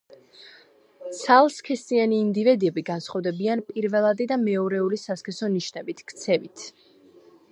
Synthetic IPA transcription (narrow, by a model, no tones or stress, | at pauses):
t̪sʰalˠskʰɛst̪ʼianiːnd̪ivɛd̪iɛbiɡansχɔvd̪ɛbianpʼiɾvɛlˠad̪id̪amɛɔɾɛulisaskʰɛsɔniʃnɛbit̪ʰkʰt̪sʰɛvit̪ʰ